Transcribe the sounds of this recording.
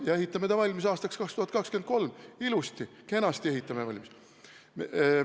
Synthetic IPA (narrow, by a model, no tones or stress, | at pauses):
jɑe̞ɦit̪ːˑɑmed̪ɑvɑlʲmisɑːst̪ɑkskɑkst̪uhɑt̪kɑkskyent̪̚ko̞lmilust̪ike̞nɑst̪ie̞ɦit̪ːˑɑmevɑ̰lʲmis | m